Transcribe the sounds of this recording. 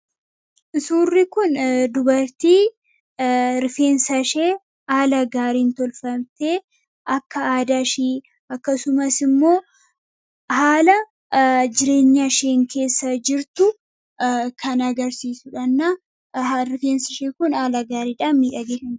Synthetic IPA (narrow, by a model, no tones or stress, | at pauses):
ʔɪsuːrːɪkʊnd̪ʊbɐɾt̪iː | ɾɪfe̞ːnsɐʃeː | aːlɐɡaːɾiːnt̪ɔlfɐmt̪e̞ː | ʔɐkːɐaːd̪aːʃiː | ɐkːɐsʊmɐsɪmːo̞ː | haːlɐ | d͡ʒɪɾe̞ːɲːaʃeːŋkʰe̞ːsːɐd͡ʒɪɾt̪ʊ | kʰɐnɐɡɐɾsiːsʊᶑɐnːɐ | ɾɪfe̞ːnsɐʃeːkʊnaːlɐɡaːɾiːᶑaːmiːᶑɐɡɛᶑɐn